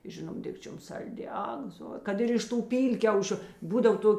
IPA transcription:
ˈʒʲɪnoːm ˈdʲɪkt͡ʃʲoːm ˈsɐlʲˌdʲɪ ˈɐk zoː ˈkɐt ɪr ɪʃ ˈtuː ˈpʲiːlʲkʲɛʊʃʲʊ ˈbuːdɐw ˈtoːkʲ

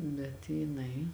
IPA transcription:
bʲɛt jɪˈnɐɪ

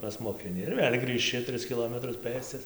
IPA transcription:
pɐsmoːkʲɪˈnʲɪ ɪr ˈʋʲeːlʲ ɡrʲiːʃʲˈt͡ʃʲɪ ˈtʲrʲɪs kʲɪˈlˠoːmʲɛtrʊs ˈpɘst͡sɐs

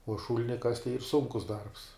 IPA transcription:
uɔ ˈʃuːlʲɪnʲɪ kɐsʲtʲ tɐɪ iːr ˈsʊŋkʊs dɐrps

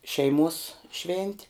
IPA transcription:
ˈʃʲɛɪˌmuɔs ˈʃʲʋʲɛnʲtʲɪ

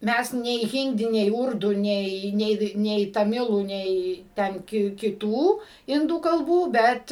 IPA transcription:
ˈmʲæs nʲɛɪ ˈɣʲɪnʲdʲɪ nʲɛɪ ˈʊrdʊ ˈnʲɛɪ ˈnʲɛɪ nʲɛɪ tɐˈmʲɪlˠuː ˈnʲɛɪ ˈtʲɛn kʲɪ kʲɪˈtuː ˈɪnduː kɐlˠˈbuː ˈbʲɛt

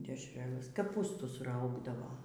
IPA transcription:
dʲɛʃʲˈrʲæːlˠɘs kɐˈpuːstʊsˈrɐʊɡdɐʋoː

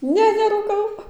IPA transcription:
ˈnʲɛ nʲɛruːˈkɐʊ

